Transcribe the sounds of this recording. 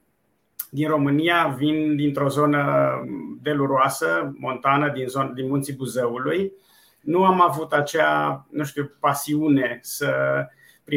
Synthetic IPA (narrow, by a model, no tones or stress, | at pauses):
d̪inro̞mɨnijavind̪in̪t̪ɾo̞zo̞nə | d̪e̞luɾoasəmo̞nt̪anəd̪inzod̪inmunt̪sibuzeuluj | nuamavut̪at͡ʃeanũʃt̪iupasiune̞sə | pɾi